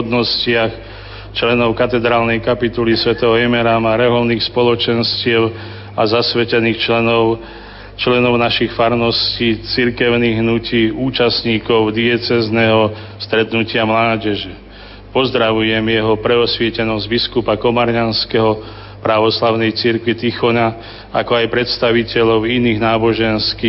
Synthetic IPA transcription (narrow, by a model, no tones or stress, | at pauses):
d̪nɔscɪax | t͡ʃlɛnɔʊkat̪ɛd̪ɾaːlnɛjkapit̪ulisʋɛt̪ɛɦɔɛmɛɾamaɾɛɦɔʊniːxspɔlɔt͡ʃɛnscɪɛʊ | azasʋɛcɛniːxɛnɔʊ | t͡ʃlɛnɔʊnaʃixfaɾnɔsciːt͡siɾkɛʊniɣɦnuciːuːt͡ʃasɲiːkɔʊd̪ɪɛt͡sɛznɛɦɔ | st̪ɾɛt̪nucɪamlaːɟɛʒɛ | pɔzd̪ɾaʋujɛmjɛɦɔpɾɛɔsʋɪɛcɛnɔzɟbiskupakɔmaɾɲanskɛɦɔ | pɾaʋɔslaʊnɛjt͡siɾkʋit̪ixɔna | a̰kɔajpɾɛt̪st̪aʋicɛʎɔʊiniːɣnaːbɔʒɛnskiː